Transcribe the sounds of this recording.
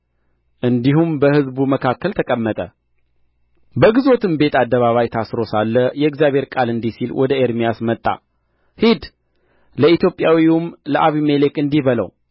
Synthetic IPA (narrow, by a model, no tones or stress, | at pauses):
ʔɨnd̪iɦumbəhɨzbuməkʰakːəlt̪ʰəkʼəmːət̪ʼə | bəɡɨzo̞t̪ʰɨmbe̞t̪ad̪ːəβaβajt̪ʰasɾo̞salːəjɛɪkzjaβʱhe̞ɾkʼalɨnd̪isilwʔɔd̪əeɾmijasmət̪ʼːa̰ | hid̪ | ləit̪jo̞pʼjawiumləʔaβimelekʼɨnd̪iβələ̰w